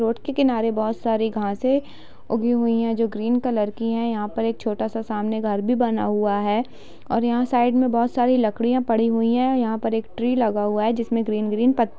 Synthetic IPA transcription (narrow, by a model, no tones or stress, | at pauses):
ɾoːʈkekɪnaːɾebɔːt̪saːɾiɡʱãːse | ʊɡʱiɦʊiɦɛ̃d͡ʒoːɡɾiːnkɐləɾkiɦɛ̃jɐɦãpɐɾeːk̚t͡ʃʰoːʈasasaːmneɡʱɐɾbʱibɐna̰ɦʊaɦɛː | ɔ̰ːɾjɐɦãsaːɪɖmẽbɔːt̪saːɾilɐkɽijãpɐɽ̤iɦʊiɦɛ̃jɐɦãpɐɾeːkʈɾiːlɐɡaɦʊaɦɛd͡ʒɪsmẽɡɾiːnɡɾiːnpɐt̪ː